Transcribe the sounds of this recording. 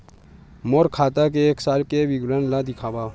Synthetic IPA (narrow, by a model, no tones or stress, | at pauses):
moːɾkʰaːt̪ak̬eeːksaːlkebiɡɾanlad̪ɪkʰaːbaː